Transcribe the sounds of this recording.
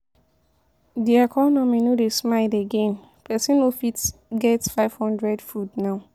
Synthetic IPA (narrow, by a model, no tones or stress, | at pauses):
diɛkʰɔnɔminodesmaɪdeɡẽn | pʰɛsĩnofitɡɛtfaɪv̥hɔ̃ndɹɛdfudnaʊ